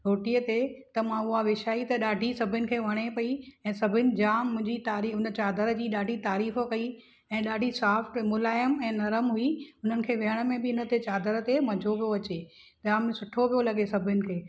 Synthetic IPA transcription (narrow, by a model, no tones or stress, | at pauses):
ɾoːʈijət̪et̪ɐmãʊɦaʋɪʃaːit̪ɐɗaːɖʱisɐbʱɪnɪ̆kʰeːʋɐɽ̃epɐiɛ̃ːsɐbʱɪnɪ̆d͡ʑaːmʊ̃ɦɪ̃ɲd͡ʑit̪aːɾiʊnə̆t͡ɕaːd̪əɾd͡ʑiːɗaːɖʱit̪aːɾiːfkɐi | ɛ̃ːɗaːɖʱisaːfʈmʊlaːjəmɛ̃ːnɐɾəmɦuiʊn̤ənɪ̆kʰeːʋɪɦəɽ̃mẽbɪɪnə̆t̪et͡ɕaːd̪əɾt̪emɐd͡ʑʱoʋijoɐt͡ɕe | ʄaːmsʊʈʰoʋijolɐɠesɐbʱʊnɪ̆kʰeː